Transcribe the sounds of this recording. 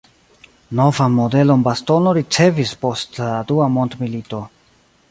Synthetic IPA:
no̞vanmo̞de̞lo̞nbasto̞no̞ɾit͡se̞vispo̞stladuamondmilito̞

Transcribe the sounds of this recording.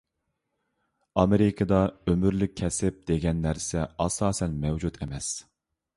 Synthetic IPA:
ɑmeɾɪkʰɨd̪ɑømyɾlyk̚ʲʰːɛsɪp̚d̪eɡʲɛnːæɾsɛɑsɑːsɛnmɛwd͡ʒut̪emɛs

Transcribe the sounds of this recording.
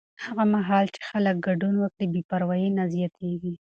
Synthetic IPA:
haɣamaɦɑlt͡ʃe̥xalək̚ɡaɖunwəkɽibipaɾwɑjenazijat̪ʰeɡi

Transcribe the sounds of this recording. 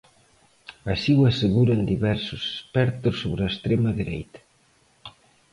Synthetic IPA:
ɐsiwɐseɣuɾɐnd̪iβɛɾsʊse̥spɛɾt̪ʊsːoβɾɐest̪ɾemɐðiɾejt̪ɐ̥

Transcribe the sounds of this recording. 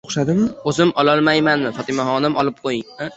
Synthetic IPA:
oχʃad̪ɪmɪɵzɪmɒlɒlˠmajmanmɪfɒt̪ʰɪmaɦɒnɪmʔɒlˠɪp̚qʰojɪŋa

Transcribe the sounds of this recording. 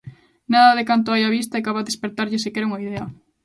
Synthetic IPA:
naðɐðekant̪oajaβist̪ɐekaβaðespeɾt̪aɾʎɪsɪkɛɾuŋaiðeɐ

